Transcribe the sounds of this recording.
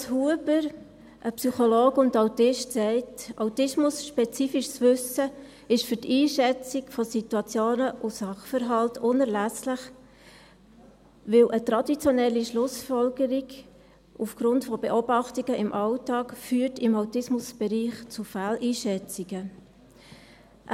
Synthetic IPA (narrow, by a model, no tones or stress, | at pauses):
shuəbəɾ | ʔəpsyχɔloːkʊndɑʊtɪʃtsɛɪtʔɑ̰wtɪsmʊsʃpɛt͡siːfiʃsʋʏsə | ɪʃfʏtiːʃɛt͡sikfɔsituɑt͡sjoːnəʔʊsɑχfəɾɦɑltʰʊnəɾlæslɪχ | ʋɪlʔətɾɑdit͡sjɔnɛlːiʃlʊsfɔlɡəɾiɡ | ufɡ̥ɾʊntfɔbeʔobɑχtiɡəʔɪmʔɑʊtɑːkfyːɾtɪmɑʊtɪsmʊsb̥ɛɾiːχt͡sufælʔiːʃɛt͡siɡə